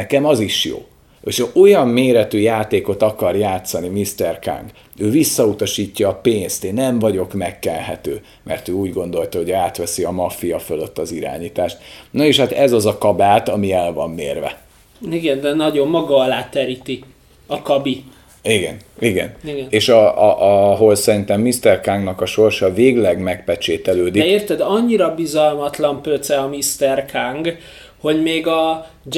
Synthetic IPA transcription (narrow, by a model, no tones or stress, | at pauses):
ɛkɛmɒziʃjo̰ː | eʃʔo̞jɒmːeːɾɛt̪yːjaːt̪eːko̞t̪ɒkɒrjaːt̪sɒnimist̪ɛrka̰ŋɡ | øːvisːɒut̪ɒʃiːcːɒːpeːnst̪eːnːɛɱvɒɟo̞kmɛkːɛlɦɛ̰t̪ø̰ː | mʔɛ̰rt̪øːuːɟɡo̞nd̪o̞lt̪ɒɦo̞ɟaːt̪ʋɛsiɒmɒfijɒfølø̞t̪ːɒziɾa̰ːɲiːt̪aːʃt̪noeʃhat̪ɛzɒzɒkɒbaːt̪ɒmiɛlvɒmːḛːrvɛ̰ | iɡɛnd̪ɛnɒɟo̞mːɒɡɒɒlaːt̪ɛɾit̪i | ɒkɒbi | iɡɛ̰niɡɛ̰niɡɛneːʃɒɒɦo̞lsɛɾint̪ɛmːist̪ɛrkaŋɡnɒkɒʃo̞rʃɒveːɡlɛɡmɛkpɛt͡ʃeːt̪ɛløːd̪ieːrt̪ɛd̪ɒɲːiɾɒbizɒlmɒt̪lɒmpøt̪sɛɒmist̪ɛrkʰaŋɡ | ho̞ɟmeːɡɒ | d͡ʒ